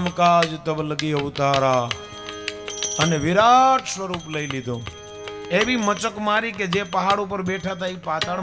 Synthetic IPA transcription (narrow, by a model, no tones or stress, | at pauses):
mkad͡ʒt̪əbləɡiʊt̪aɾa | əneʋɪɾaʈsʋəɾupləilid̪ʱõ | eʋimət͡ʃəkmaɾiked͡ʒepəɦaɽup̬əɾbeʈʰat̪ʰaipat̪aɽ